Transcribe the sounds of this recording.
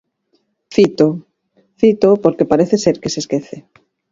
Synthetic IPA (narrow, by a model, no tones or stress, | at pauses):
θit̪o | θit̪opoɾkepaɾeθeseɾkeseskeθe